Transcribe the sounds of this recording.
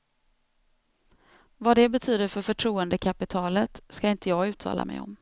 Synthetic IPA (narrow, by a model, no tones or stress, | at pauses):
vad̪ɛbɛt̪ʰyːd̪əɾfœɾfœʈʰɾuːənd̪əkʰapɪt̪ʰɑːlət̪skaɪnt̪əjɑːɡʉ̟ːt̪ʰɑ̰ːlʔa̰mɛ̰jɔ̰m